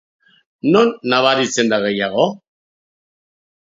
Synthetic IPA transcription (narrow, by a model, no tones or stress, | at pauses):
no̞nːaβ̞aɾit͡se̞nd̪aɣe̞jaɣ̞o